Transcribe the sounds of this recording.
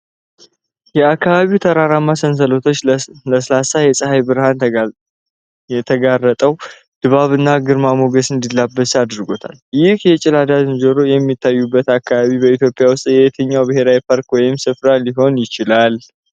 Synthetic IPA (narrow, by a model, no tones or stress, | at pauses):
jɛakːaβaβiwt̪ʰəɾaɾamːasəns̬əlo̞t̪ʰo̞t͡ʃːləsəlasajɛsʼəɦajbɨɾhan | ɛt̪ʰəɡarːət̪ʼəw | d̪̥ɨβaβɨnːaɡɨɾmamo̞ɡəsɨnd̪ilːabːəsad̪ɾɨɡo̞t̪ʰa̰ljɪhjɛt͡ʃʼɪlad̪azɨnd͡ʒəɾo̞jɛmːit̪ʰːajːubːət̪akːaβaβibəit̪jo̞pʼjawʊst̪ʼjɛjɛt̪ʰəɲːawbɨɦe̞ɾawipʰaɾkwɔjɪmsɨfɾaliɦo̞njɪt͡ʃɪlal